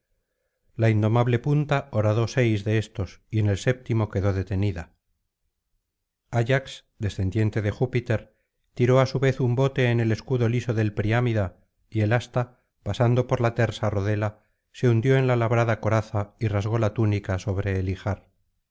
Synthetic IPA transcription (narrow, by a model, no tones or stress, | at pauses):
laind̪o̞maβle̞punt̪aoɾaðo̞se̞jzðe̞est̪o̞sie̞ne̞lse̞p̚t̪imo̞ke̞ðo̞ðe̞t̪e̞niða | aʝaksd̪e̞sθe̞nd̪je̞nt̪e̞ðe̞xupit̪e̞ɾ | t̪iɾo̞asuβe̞θumbo̞t̪e̞ːne̞le̞skuðo̞liso̞ðe̞lpɾiamiða | ie̞last̪a | pasand̪o̞po̞ɾlat̪e̞ɾsaroðe̞la | se̞und̪jo̞enlalaβɾaðako̞ɾaθairazɣo̞lat̪unikaso̞βɾe̞ːlixaɾ